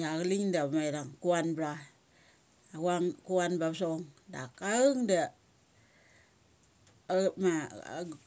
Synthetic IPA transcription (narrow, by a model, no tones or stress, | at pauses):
jaɣliŋdamajɾaŋkuanbɾa | awaŋkuanbabsoŋda̰kaɯŋda | ma̰